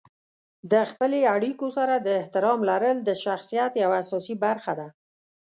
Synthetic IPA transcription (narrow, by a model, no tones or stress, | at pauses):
d̪əxpəleaɽikosaɾad̪əɪht̪ɪɾɑmlaɾəld̪əʃaxsijat̪jawaːsɑsibaɾxad̪a